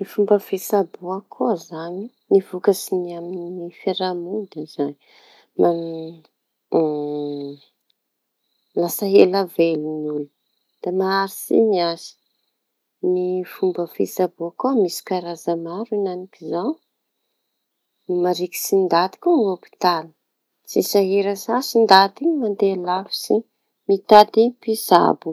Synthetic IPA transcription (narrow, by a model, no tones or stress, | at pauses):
nifumbəfesabuakʰuazaɲi | nivukəsiniamininifeɾamud̪ez̥an | ma | lasəɦelavelinulu | d̪̥amaːɾisḭniazi̥ | nifumbəfisabokumisi̥kaɾazəmaɾinanikizaw | nimaɾiki̥sind̪ad̪i̥kʲuŋopi̥t̪al | sisaɦeɾəsasind̪ad̪imand̪elafi̥si | mit̪at̪ipisa̰bu